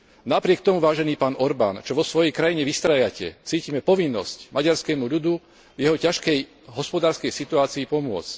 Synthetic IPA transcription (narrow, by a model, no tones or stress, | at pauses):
napɾɪɛk̚t̪ɔmuʋaːʒɛniːpaːnɔɾbaːnt͡ʃɔʋɔsʋɔjɛjkɾajiɲɛʋist̪ɾajacɛ̰t͡siːcimɛpɔʋinːɔscmʔaɟaɾskɛːmuʎud̪u | vjɛɦɔcaʃkɛj | ɦɔspɔd̪aːɾskɛjsit̪uaːt͡siːpɔmʊɔ̰t͡sc